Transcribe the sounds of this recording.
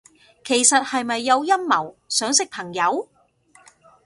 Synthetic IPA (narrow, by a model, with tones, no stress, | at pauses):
kʰe˨˩jsɐ˨t̚hɐ˨jmɐ˨jːɐ˨˧wjɐ˥mmɐ˨˩wsœː˨˥ŋsɪ˥k̚pʰɐ˨˩ŋjɐ˨˧˥w